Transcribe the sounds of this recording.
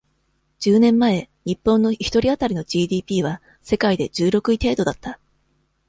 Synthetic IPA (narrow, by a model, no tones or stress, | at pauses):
d͡ʑ̥ɨːnẽ̞mːae̞ | ɲ̟ipːõ̞nːo̞çʲi̥t̪o̞ɾʲiat̪aɾʲino̞ʑiːd̪ʲiːpʲiːβ̞a | se̞kaid̪e̞d͡ʑɨːɾo̞kɯ̟it̪e̞ːd̪o̞d̪at̪ːa